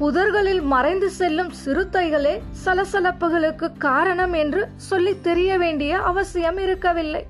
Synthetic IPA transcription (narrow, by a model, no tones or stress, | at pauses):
pʊðɐɾɣɐɭɪlmɐrɐɪnd̪ɯsɛlːɯmsɪɾɯt̪ːɐɪɣɐɭeːsɐlɐsɐlɐpːɯɣɐɭɯkːɯkːaːɾɐɳɐmɛndrɯsɔlːit̪ːɛɾɪjɐʋeːɳɖɪjɐʔɐʋɐsɪjɐmɪɾɯkːɐʋɪlːɐɪ